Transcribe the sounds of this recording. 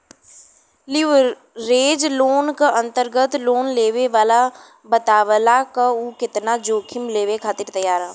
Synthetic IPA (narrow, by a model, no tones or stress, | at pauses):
lɪ | ɾeːd͡ʒloːnkəɐ̃nt̪əɾɡət̪loːnleːʋeʋaːla | bət̪aːʋəlakəuːkɪt̪nad͡ʒoːkʰɪmleːʋekʰaːt̪ɪɾt̪ɐjaːɾaː